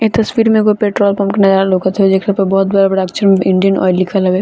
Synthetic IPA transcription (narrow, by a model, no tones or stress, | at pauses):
et̪ɐsʋiːɾmẽkopeːʈɾoːlpamkenɐd͡ʒaːɾalokət̪ɦɛed͡ʒekʰːpɐbɔɦʊt̪̚bɐɽabɐɽaːkt͡ʃʰəɾmɪ̃ɳɖijənɔ̰ːilːɪkʰəlɦɐbe